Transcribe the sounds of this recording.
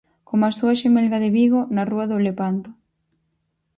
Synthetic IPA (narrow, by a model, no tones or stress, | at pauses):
komasuaʃemelɣaðeβiɣonaruaðoleβant̪ʊ̥